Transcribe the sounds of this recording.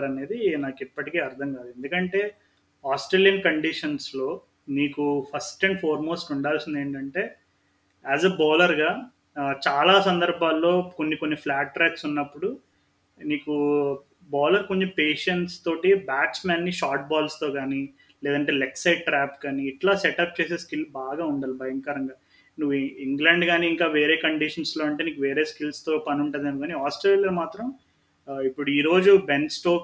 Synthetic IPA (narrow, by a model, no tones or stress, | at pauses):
ɾɐne̞ːd̪inaːkipːɐʈikeːɐɾd̪ʱɐŋkaːd̪ue̞nd̪ukɐɳʈe̞ː | aːsʈɾeːljɐnkɐɳɖiʂɐnslo̞ː | niːkupʰɐsʈeɳɖpʰoːɾmo̞ːsʈuɳɖaːlsind̪e̞ːɳʈɐɳʈe̞ː | æːzɐbɔːlɐɾɡaː | t͡ʃaːlaːsɐnd̪ɐɾbʱaːlːo̞ːko̞nːikonːipʰlaːʈːɾɐːʈsunːɐpːuɽu | niːku | bɔːlɐɾkont͡ʃipeːʂɐɳʈst̪o̞ːʈibaːksmaːnːiʃaːɾʈ̚baːlst̪o̞ːkaːni | lɛːd̪ɐɳʈ̬eːleksɐjɖʈɾaːpkaːniːʈlaːseʈɐp̚t͡ʃe̞ːs̬e̞ːskilbaːɡaːuɳɖaːlibʱɐjɐŋkɐɾɐŋɡaː | nuʋːuiŋɡlɐɳɖɡaːniːŋkaːʋe̞ːɾe̞ːkɐɳɖiʂɐnslo̞ːɐɳʈ̬eːniːkuʋe̞ːɾeːskilst̪o̞ːpɐnuɳʈɐːd̪ɐnukaːniaːsʈɾeːlijaːmaːt̪ɾɐm | ipːuɽuiːɾo̞ːd͡ʒubensʈ̪oːk